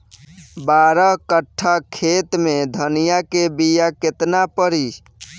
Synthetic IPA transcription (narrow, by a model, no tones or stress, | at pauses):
baɾəɦkəʈʰːakʰet̪med̪ʱənijakebijaket̪napəɾi